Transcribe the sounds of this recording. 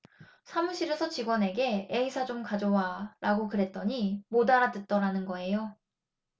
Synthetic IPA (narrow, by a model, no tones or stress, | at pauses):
sʰamuɕʰiɾesʰʌt͡ɕiɡwʌne̞ɡe̞eisʰad͡ʑomkad͡ʑowaɾaɡokɯɾe̞t̚t͈ʌɲimodaɾatɯt̚t͈ʌɾanɯnɡʌe̞jo